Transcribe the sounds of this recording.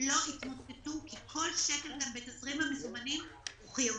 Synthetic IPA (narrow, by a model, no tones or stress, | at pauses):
lo̞ʔitmot̪etukikʰo̞lʃeke̞lɡambetasʁimhamezumanimuχo